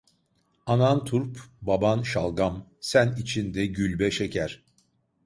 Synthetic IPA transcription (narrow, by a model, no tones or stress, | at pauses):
anant̪ʰuɾpbabanʃalˠɡamsænit͡ʃʰind̪ɛɟylʲbɛʃecʰæɾ̥